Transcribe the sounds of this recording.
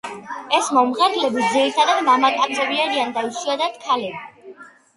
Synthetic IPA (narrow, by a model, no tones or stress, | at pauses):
ɛsmɔmʁɛɾlɛbid̪ziɾit̪ʰad̪ad̪mamat̪ʼabzɛbiaɾiand̪aiʃuad̪ad̪̥kʰalɛbi